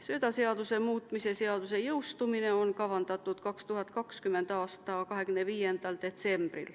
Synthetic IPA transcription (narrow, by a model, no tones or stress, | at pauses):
søt̪ɑseɑd̪usemuːt̪ːˑmise̞seɑd̪̥use̞jɯwst̪umineonkɑʋɑnd̪̥ɑt̪ːˑud̪̥kɑkst̪uɦɑt̪ːˑkɑkskymːend̪ɑːst̪ɑːkɑɦe̞kynːeviːje̞nd̪̥ɑld̪̥e̞t̪se̞mb̥rḭl